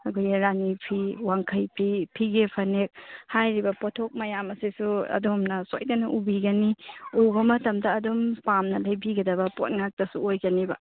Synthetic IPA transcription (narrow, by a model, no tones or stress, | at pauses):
ɐɡʰujɾanipʰiwaŋkʰɐjpʰipʰiɡepʰɐnek̚hajɾibɐpotʰok̚mɐjamɐsisuɐ̰domnɐso̰jdɐnɐʔubiɡɐniubɐmɐtɐmdɐːdompamnɐlɐjbiɡɐdɐbɐpot̚ŋak̚tɐsuojɡɐnibɐ̰